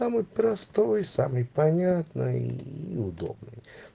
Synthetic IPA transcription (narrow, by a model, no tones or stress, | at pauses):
amɨjpɾɐst̪ojsamɨjpɐnʲat̪nəḭʊd̪o̰bnɨj